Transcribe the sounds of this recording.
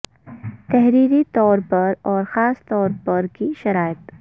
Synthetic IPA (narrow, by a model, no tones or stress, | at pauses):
t̪ɛɦɾiːɾit̪ɔːɾpɐɾɔːɾxaːst̪ɔːɾpɐɾkiʃɐɾaːjət̪